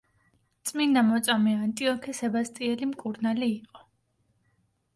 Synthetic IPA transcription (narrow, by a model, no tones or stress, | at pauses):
t̪sʼmind̪amɔt̪sʼamɛant̪ʼiɔkʰɛsɛbast̪ʼiɛlimkʼuɾnaliːqʼɔ